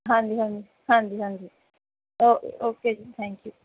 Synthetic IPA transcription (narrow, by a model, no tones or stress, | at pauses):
ɦãnd͡ʒiɦãnd͡ʒi | hãnd͡ʒiɦãnd͡ʒi | ooːket̪ʰɛ̃ŋkju